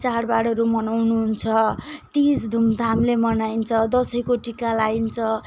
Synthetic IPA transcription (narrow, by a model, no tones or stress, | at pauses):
t͡sarbaɽʌɾumʌnawnuɦunt͡sʰʌt̪isd̪ʱumd̪ʱamlemʌnaint͡sʰʌd̪ʌsʌjkoʈikalaint͡sʰʌ